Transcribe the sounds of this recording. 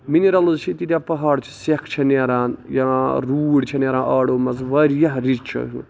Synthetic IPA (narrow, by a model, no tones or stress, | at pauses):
miniɾɐlɨzt͡ʃʰit̪it̪ʲjaːpɐɦaːɽt͡ʃʰi̥sekʰt͡ʃʰɐneːɾaːnjaɾuːɽt͡ʃʰɐneːɾãːnʔɐːɽoːmɐzʋɐɾʲjɐɦɾizt͡ʃʰɐ̰ṵ